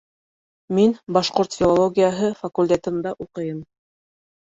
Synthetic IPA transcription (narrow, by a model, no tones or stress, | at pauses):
minbɑʃqoɾt̪fʲilˠolˠoɡʲijaɦɤfɐkulʲt̪ʲet̪ɘ̆nd̪ɑʔuqɤ̆jɤm